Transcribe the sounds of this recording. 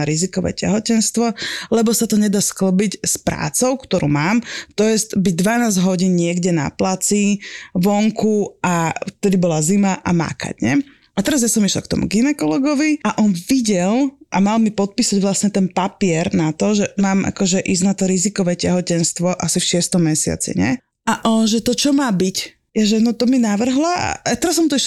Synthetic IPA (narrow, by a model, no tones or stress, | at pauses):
aɾizikɔʋɛ̰ːcɛ̰ɦɔcɛnst̪ʋɔlɛbɔsat̪ɔɲɛd̪askl̩bicspɾa̰ːt͡sɔʊkt̪ɔɾṵːmaːmt̪ɔjɛst̪biɟ̚d̪ʋanaːzɟɦɔɟiːnɲɪɛɡɟɛna̰plat͡siʋɔŋkuaft̪ɛd̪ibɔlazimaʔa̰ma̰ka̰ɟɲɛ | at̪ɛɾazjasɔmiʃlɛ̰lkt̪ɔ̰mṵɡinɛkɔlɔɡɔʋiaʔɔnʋiɟɛlʔamalmipɔt̪̚piːsaɟʋlasɲɛt̪ɛnpapɪɛɾnat̪ɔʒɛmaːmʔa̰kɔʒɛʔiznat̪ɔɾizikɔʋɛcaɦɔcɛnst̪ʋɔʔasifʃɪɛst̪ɔmːɛsɪa̰t͡sḭɲɛ̰ | aʔɔnʒɛt̪ɔt͡ʃɔmaːbic | jaʒɛnɔt̪ɔminaʋr̩ɦlaa̰t̪ɛɾasːɔmt̪ɔiʃ